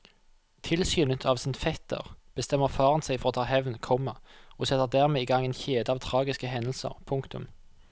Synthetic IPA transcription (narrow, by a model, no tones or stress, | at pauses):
t̪ʰɪlsjyːnət̪ʰɑːʋsənfɛt̪ə̰ʁb̥əst̪ɛmːəʁfɑːʁənsæɪfɔʁoːt̪ʰɑːhɛʋnkʰɔməoːsɛt̪ːəʁd̪æːʁmeːiːɡɑŋeːnçeːd̪əɑːʋt̪ʰʁɑːɡɪskəɦɛnəlsə̰ʁpʰʊŋkt̪ʊ̰m